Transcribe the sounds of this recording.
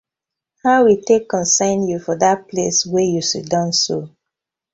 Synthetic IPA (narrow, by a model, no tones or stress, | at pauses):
haʊwitekːɔ̃nsãɪ̃njufɔðat̚pʰleswɛjusḭdɔ̃nso